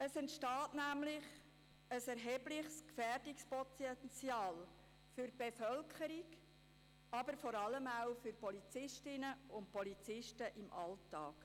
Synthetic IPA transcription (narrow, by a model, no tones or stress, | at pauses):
əsɛntʃtɑːtnæmlɪχ | əsɛɾɦɛblɪχskfɛːrdɪkspɔt͡sɛnt͡sjɑːl | fʏɾb̥efœlkʰχəɾik | ɑbəɾfɔɾɑləmaʊfʏɾpɔlit͡sɪʃtɪnəʊnt̚pɔlit͡sɪʃtəʔɪmʔɑltɑːk